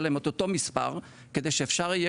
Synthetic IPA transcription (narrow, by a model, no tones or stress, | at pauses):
lemot̪ot̪o̞mispa̰ʁ | ked̪e̞jʃeːfʃaʁije